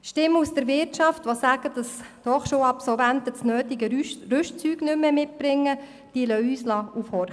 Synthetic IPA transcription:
ʃtɪmːusd̥̪əɾʋɪɾtʃɑftʋosæːɡ̥ədɑsd̥ɔχʃoːɑpsɔlvæntət͡snøːt̪ɪɡərʉʃt͡syːɡnʏmːɛmɪt̚b̥ɾɪŋːə | d̥iəlœyːslɑːʔufhɔɾ

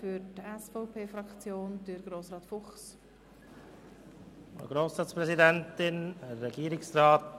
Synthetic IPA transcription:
fyɾtɛsfoʊpʰeːfɾɑkt͡sjoːndəɾɡɾoːsɾɑːtfʊχs | ɔ̰ɡɾoːsɾɑːspɾɛsidɛntɪnɛɛɡiːɾɪksɾaːt

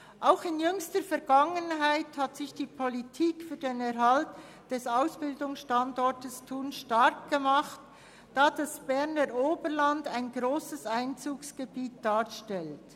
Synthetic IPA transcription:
ʔaʊxɪnjʏŋstəɾfɛɾɡaŋənɦaɪthatsɪçd̥iːpʰolitʰiːkfyːdenɛɾɦalt | d̥ɛsaʊsb̥ɪldʊŋsʃtandɔɹtəstʰuːnʃtaɾk̚ɡ̥əmaχt | d̥aːd̥asb̥ɛʁnəɾoːbəɾlandaɪnɡɾoːsəsaɪnt͡suːksɡ̥əbiːt̚d̥aːɾʃtɛlt

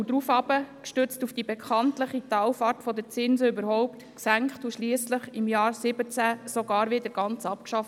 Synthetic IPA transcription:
ud̥ɾuːfɑb̥əkʃtʏt͡stufd̥ibɛkʰχɑntləχitɑwfɑɾtfɔdət͡sɪnsəybəɾhɔʊptksæŋkχtuʃliːəsləχɪmjɑːɾsɪbət͡sæsoɡɑːɾʋɪdəɾɡ̥ɑnt͡sɑpkʃɑft

